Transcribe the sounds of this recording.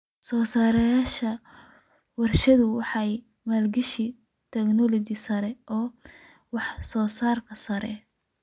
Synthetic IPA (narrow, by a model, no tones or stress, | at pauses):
sɔːsaːɾɐjaːʃɐ | wɐrʃɐðʊwɑħɑj | maːlɡɪʃi | t̪ʰɛknɔlɔt͡ʃɪsɐɾɛʔɔː | wɑħsɔːsaːrkʰɐsɐɾɛ̰